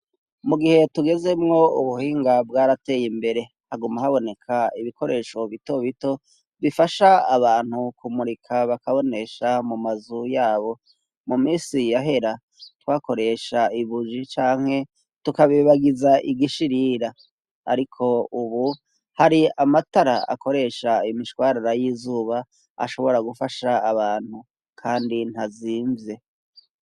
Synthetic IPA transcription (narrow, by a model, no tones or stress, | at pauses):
muɡihe̞tuɡe̞ze̞mŋo̞ṵβuhiːŋɡabɡaɾate̞jimbe̞ɾe̞ | haɡumahaβo̞ne̞kʰaiβiko̞ɾe̞ːʃo̞βito̞βito̞ | βifaʃaːβaːn̥hukumuɾikʰaβakaβo̞ne̞ʃamumazujaːβo̞ | mumiːsijaɦe̞ɾa | twaːko̞ɾe̞ʃaiβud͡ʒit͡ʃaːŋ̥he̞ | tukaβiβaɡizaʔiɡiʃiɾiɾa | a̰ɾikʰo̞uβu | haɾiamataɾaa̰ko̞ɾe̞ʃaimiʃwaːɾaɾajiːzuːβa | a̰ʃo̞βo̞ɾaɡufaʃaaβaːn̥hu | kʰaːndin̥haziːɱvje̞